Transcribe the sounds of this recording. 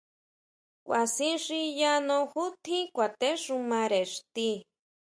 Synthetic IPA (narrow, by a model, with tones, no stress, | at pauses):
wʷʔa˨sĩ˦nʂi˧ja˦nõ˧xu˦t̪ʰĩ˦kʷa˨t̪e˦ʂu˧mã˧ɾe˨ʂt̪i˦